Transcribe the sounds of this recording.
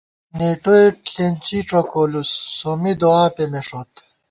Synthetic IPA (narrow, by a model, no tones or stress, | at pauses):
neːʈoeʈlent͡ɕiʈ͡ʂokolusːomid̪oaːpemeʂot̪